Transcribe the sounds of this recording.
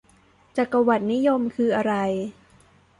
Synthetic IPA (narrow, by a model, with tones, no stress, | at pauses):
t͡ɕa˨˩kːa˧wa˨˩t̪̚ni˦˥jo˧mkʰɯː˧ʔa˧ɾa˧j